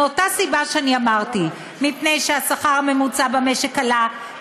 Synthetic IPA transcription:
otasibaʃeaniamaʁti | mipnejʃeasaχaʁame̞mut͡sabameʃekala

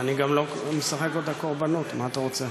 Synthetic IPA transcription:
aniɡamlo̞mesaχe̞kot̪ako̞ʁbanot̪maːt̪aʁo̞t͡se

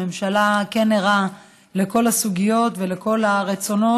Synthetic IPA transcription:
emʃalakeneʁa | le̞ko̞lasuɡijo̞tve̞leko̞laʁet͡so̞no̞

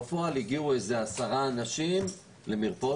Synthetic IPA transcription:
foaliɡiueze̞asaʁaːnaʃim | le̞miʁpo

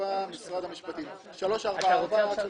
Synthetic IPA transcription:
amisʁad̪hamiʃpat̪i | ʃalo̞ʃaʁbaaʁba

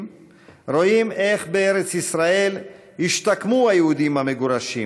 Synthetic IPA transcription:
m | ʁo̞ime̞χbeeɾe̞t͡sisʁae̞l | hiʃt̪akmuhajehud̪imhameɡuɾaʃi

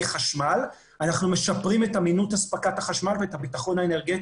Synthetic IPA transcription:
χaʃmal | anaχnume̞ʃapʁime̞taminutaspakathaχaʃmalveetabitaχo̞naene̞ʁɡet

